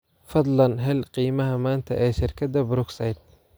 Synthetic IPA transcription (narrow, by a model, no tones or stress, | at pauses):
fɐd̪lɐnɦɛlqiːmɐɦɐmaːnt̪ʰɐ̰ʔɛːʃɪrkʰɐd̪ɐbʊɾʊksɛjd̪̚